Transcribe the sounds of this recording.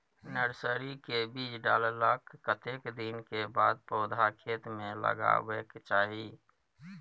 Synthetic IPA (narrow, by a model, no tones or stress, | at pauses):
nəɾsəɾikebiːd͡ʒɖaːlləkːət̪ekd̪inkeba̰ːd̪̚pɔːd̪ʱakʰeːt̪mẽlə̰ɡa̰wekt͡ʃaːɦi